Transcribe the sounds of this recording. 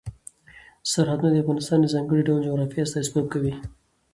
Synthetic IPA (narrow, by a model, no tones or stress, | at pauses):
saɾhad̪unad̪əavɣɑnɪst̪ɑːnd̪əzɑŋɡəɽiɖawnd͡ʒoɣɾɑfijast̪aɪsbop̚kawi